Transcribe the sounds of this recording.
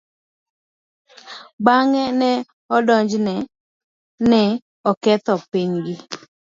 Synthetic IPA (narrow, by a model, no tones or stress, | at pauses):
baŋɛnɛ | ɔdɔɲd͡ʒnɛ | nɛ | ɔkɛt̪ɔpiɲɡɪ